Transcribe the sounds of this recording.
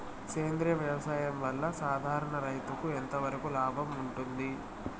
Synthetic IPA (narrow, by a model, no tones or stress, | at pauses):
keːnd̪ɾijɐʋjɐʋɐsaːjɐmʋɐlːɐsaːd̪ʱaːɾɐɳɐɾɐjt̪ukuent̪ɐʋɐɾɐkulaːbʱɐmuɳʈund̪i